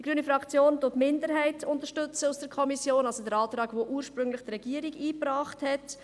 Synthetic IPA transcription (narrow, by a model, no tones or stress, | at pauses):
dd̥iɡɾyːnifɾɑkt͡sjoːntʊtmɪndəɾɦɛɪtʰʊntəɾʃtɵt͡səusd̥əɾkʰɔmisjoːnɑlsodəɾɑːtɾɑːɡʋoʔuːəɾʃpɾʏŋlɪχd̥ɾɛɡ̥iːəɾiɡiːprɑːχthɛt